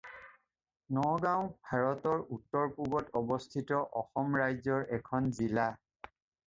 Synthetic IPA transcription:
nɔɡãʊ̃bʱaɹɔtɔɹutːɔɹpubɔtɔbɔstʰitɔʔɔxɔmɹajzɔɹɛkʰɔnzila

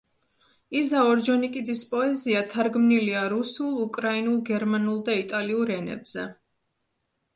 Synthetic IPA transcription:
izaɔɾd͡ʒɔnikʼid̪zispʼɔɛziat̪ʰaɾɡmniliaɾusulˠukʼɾainulˠɡɛɾmanulˠd̪ait̪ʼaliuɾɛnɛ̰bz̥ɛ

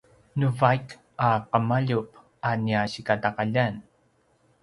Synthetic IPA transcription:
nuvajk | aqəmaʎup̚ | aniaɕikataqaʎan

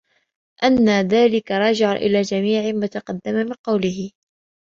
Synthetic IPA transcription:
ʔanːaðaːlɪkaɾˤɑːd͡ʒɪʕaʔɪ̰laːd͡ʒamiːʕɪmat̪ɑqɑd̪ːamamɪnqɑwlɪɦɪ

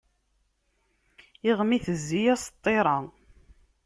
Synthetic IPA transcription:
iʁmiθəzːijæst̪ˤːeɾˤɑ

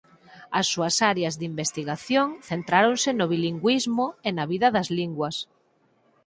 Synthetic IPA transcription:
ɐsːuɐsaɾeɐzðimbest̪iɣaθjoŋθent̪ɾaɾonsɪnoβ̞iliŋɡwizmoenɐβiðɐðɐzliŋɡwɐs

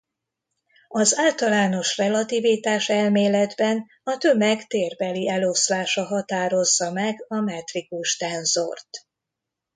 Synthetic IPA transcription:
ɒzaːlt̪ɒlaːno̞ʃrɛlɒt̪ivit̪aːʃɛlmeːlɛd̪bɛn | ɒt̪ø̞mɛɡt̪eːrbɛliɛlo̞slaːʃɒɦɒt̪aːɾo̞zːɒmɛɡɒmɛt̪rikuʃt̪sɛnzo̰rt̪

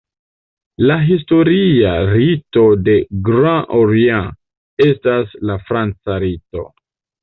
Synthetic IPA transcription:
laɦis̬to̞ɾiaɾito̞de̞ɡɾãʔoɾiã | e̞staslafɾant͡saɾito̞

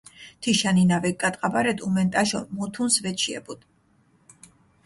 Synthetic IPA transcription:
t̪ʰiʃaninavɛkʼːat̪ʼqʼabaɾɛd̪umɛnt̪ʼaʃɔ̰mut̪ʰunsvɛt͡ʃʰiɛ̰bud̪̥

